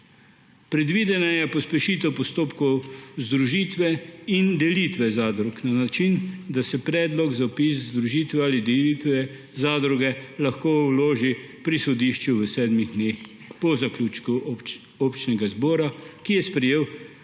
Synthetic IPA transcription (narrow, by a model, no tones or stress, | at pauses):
pɾɛd̪ʋiːd̪ɛnajɛpɔspɛʃiːt̪ɔwpɔst̪oːpkɔwzd̪ɾuʒiːt̪ʋɛind̪ɛliːt̪ʋɛzaːd̪ɾuknanat͡ʃind̪asɛpɾɛːd̪lɔɡzapiszd̪ɾuʒiːt̪ʋɛalid̪ɛlit̪ʋɛ | zad̪ɾuɡɛlaxkoːwloːʒipɾisɔd̪iʃt͡ʃuʋəsɛːd̪miɣd̪nex | pɔzaklʲut͡ʃku | ɔpt͡ʃnɛɡazbɔːɾakijɛspɾɛjeːw